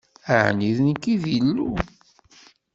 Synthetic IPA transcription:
əʕniðnkiðilːṵ

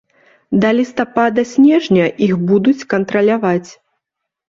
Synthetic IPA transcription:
d̪ɐlʲist̪apad̪ɐsʲnʲɛʐnʲɐʔixbud̪ut͡sʲkɐnt̪ɾɐlʲavat͡sʲ

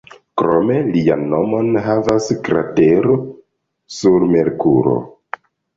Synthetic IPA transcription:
kɾo̞me̞lia̰nːo̞mo̞nɦavaskɾa̰te̞ɾo | suɾme̞ɾkuɾo̞̰

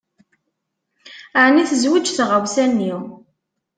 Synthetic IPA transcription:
əʕniθəzwəd͡ʒθʁəwsænːiw

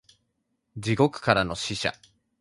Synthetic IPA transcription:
d͡ʑiɡo̞kɯ̟̥kaɾano̞ɕiɕa̰

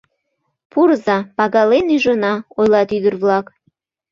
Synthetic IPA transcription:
purzɑpɑɣɑlenyʒənɑojlɑt̪yd̪ərβlɑk

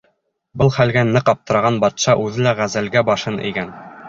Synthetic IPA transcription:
bɤlˠχælɡænːɤqɑp̚t̪ɤ̆ɾɑʁɑnbɑt̪ʃɑʔʉðɘlæʁæzælɡæbɑʃɤnʔɘ̰̆jɡæn

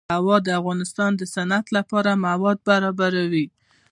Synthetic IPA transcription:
awɑd̪əafɣɑnɪst̪ɑnd̪əsanat̪lapɑɾamawɑd̪̚baɾɑbaɾawi

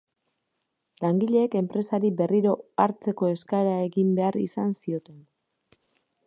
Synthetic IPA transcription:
laŋɡiʎe̞ːke̞mpɾe̞saɾibe̞riɾo̞aɾt͡se̞ko̞e̞skaɾae̞ɣimbe̞aɾḭsansio̞t̪e̞n

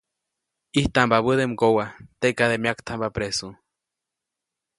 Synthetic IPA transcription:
iht̪ambaβəðemɡowat̪ekaðemjakt̪ʰambapɾesu

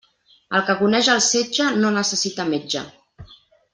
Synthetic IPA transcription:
əlˠkəkunɛʒəlˠsed͡ʒənonəsəsit̪əmed͡ʒə̰

